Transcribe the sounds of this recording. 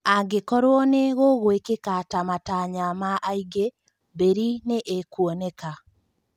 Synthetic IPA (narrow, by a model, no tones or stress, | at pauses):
aɡekɔɾwɔneɣoɣowekekatamataɲamaʔaiɡe | beɾineʔekwɔneka